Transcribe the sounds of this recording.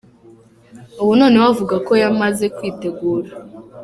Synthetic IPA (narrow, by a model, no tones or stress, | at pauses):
owuno̞ːnewavuɡako̞jamaze̞kwiːte̞ɡuːɾa